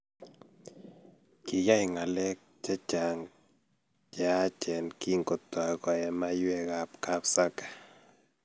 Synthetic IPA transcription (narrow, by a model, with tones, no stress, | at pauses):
kɪ˨ja˦i˨ŋa˨lɛ˦k̚d͡ʒa˦t͡ʃa˨ŋ | d͡ʒɛ˨a˦t͡ʃɛ˨nki˦ŋɡo˨t̪ɔ˨kɔ˨jɛ˨ma˦jwɛ˦ɡa˨pka˦psa˦kḁ˨